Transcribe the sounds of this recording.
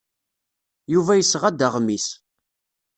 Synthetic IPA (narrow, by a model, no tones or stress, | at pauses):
juvæjəsːʁæd̪əʁmis